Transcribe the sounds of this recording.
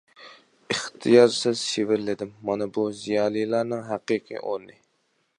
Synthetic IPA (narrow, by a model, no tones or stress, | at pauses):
ɨχt̪ʰɨjɑɾsɪz̥ʃevɪɾlɪd̪ɪmːɑnɨbuzijɑːlˠijlˠɑɾnɨŋɦæqiqʰḭʔo̰ɾnɨ